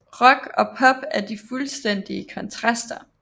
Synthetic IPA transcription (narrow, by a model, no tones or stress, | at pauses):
ʁɒ̽ɡ̥ɒ̽pʰɒ̽b̥æɐd̥ifulsd̥en̰d̥iəkʰɒ̽nt͡sʰʁɑsd̥ɐ